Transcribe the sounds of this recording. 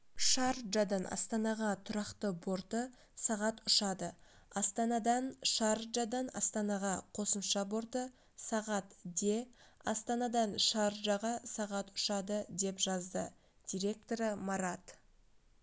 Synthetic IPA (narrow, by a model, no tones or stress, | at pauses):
ʃɑɾʒɑd̪ɑnʔɑ̰st̪ɑnɑʁɑt̪ʰʊɾɑqt̪əbo̞ɾt̪ə | sɑʁɑt̪ʊʃɑd̪ə | ɑst̪ɑnɑd̪ɑnʃɑɾʒɑd̪ɑnɑ̰st̪ɑnɑʁɑqʰo̞səmʃɑbo̞ɾt̪ə | sɑʁɑt̪d̪e̞ɑst̪ɑnɑd̪ɑnʃɑɾʒɑʁɑsɑʁɑt̪ʊ̥ʃɑd̪əd̪e̞pʒɑzd̪ə | d̪̥ijɾʲe̞k̚t̪o̞ɾəmɑɾɑt̪